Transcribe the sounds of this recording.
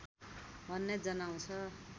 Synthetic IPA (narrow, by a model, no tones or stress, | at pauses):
bʱʌnːed͡zʌnaw̃t͡sʰʌ